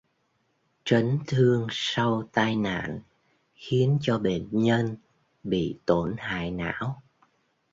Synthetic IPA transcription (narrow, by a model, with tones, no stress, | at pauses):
t͡ɕə˨˦ŋt̪ʰɨ˧əŋsa˧wt̪aː˧jna̰ː˧˨n | xi˨˦ənt͡ɕɔ˧ɓe˧˨nɲə˧n | ɓḭ˧˨t̪o˧˩nha̰ː˧˨jna̰ː˧˥w